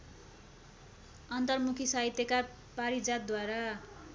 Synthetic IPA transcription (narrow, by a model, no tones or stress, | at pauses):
ʌnt̪ʌrmukʰisaɦit̪jeka | paɾid͡zat̪̚d̪waɾa